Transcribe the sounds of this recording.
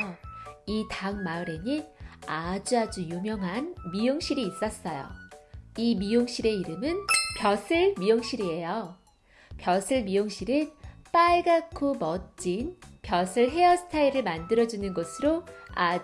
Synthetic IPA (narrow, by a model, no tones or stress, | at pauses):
itaŋmaɯɾe̞ɲiad͡ʑuad͡ʑujumjʌŋɦanmijoŋɕ͈ʰiɾiːs͈ʌs͈ʌjo̰imijoŋɕ͈iɾe̞iɾɯmɯnpjʌsʰɯɭmijoŋɕ͈ʰiɾie̞jo | pjʌsʰɯɭmijoŋɕ͈ʰiɾɯp͈aiɡakʰumʌt͡ɕ͈inpjʌsʰɯɭɦe̞ʌsʰɯ̥tʰaiɾɯɭmandɯɾʌd͡ʑunɯnɡʌsʰɯɾoa